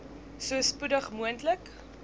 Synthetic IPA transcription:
suəspudəχmuəntlək

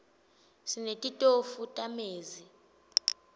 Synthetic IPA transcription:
sinetʼitʼofutʼameːzi

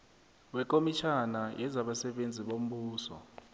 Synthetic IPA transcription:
wɛk̬ʼomit͡ʃʰanajɛzaɓasɛɓend͡zʱiɓom̩ɓuːsɔ̰

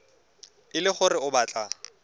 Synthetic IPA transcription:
ɪlɪχʊrɪʊbaːt͡ɬʼa

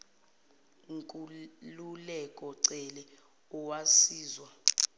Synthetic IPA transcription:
ŋkʼululɛkʼɔǀɛlɛ | ɔwasiːzwa

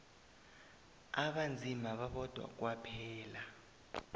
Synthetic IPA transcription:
aɓand͡zʱimaɓaɓɔd̥ʱwa̰k̬ʼwapʰɛːla

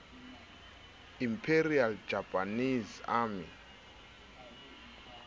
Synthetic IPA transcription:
impʰeɾiald͡ʒapʼanizamḭ

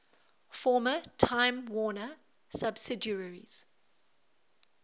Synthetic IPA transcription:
fɔːmətʰãɪ̃mwɔːnə | sabsɪdjəɹəɹḭz̥

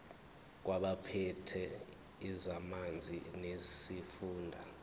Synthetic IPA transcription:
k̬waɓapʰɛtʰɛ | izamand͡zʱinesifuːndʱa

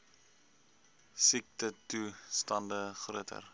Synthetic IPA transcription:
sik̚tətustɐndəχruətʰə̰r

